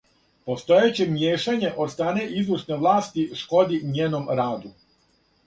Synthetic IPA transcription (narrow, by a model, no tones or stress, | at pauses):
po̞st̪o̞jet͡ɕe̞mjeːʃaɲe̞ʔost̪aːne̞ʔizuʃneʋlˠaːst̪iʃko̞d̪iɲeːno̞mɾaːd̪u